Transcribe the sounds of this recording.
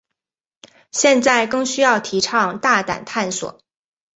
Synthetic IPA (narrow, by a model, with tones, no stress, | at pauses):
ɕjɛ˥˧nt͡sa˥˩ɪkɤ˥˧ŋɕy˥jɑ˥˩ʊt̪ʰi˧˥ʈ͡ʂʰɑ˥˧ŋt̪a˥˩t̪a̰˨˩nt̪ʰa˥˩nswɔ̰˨˩˦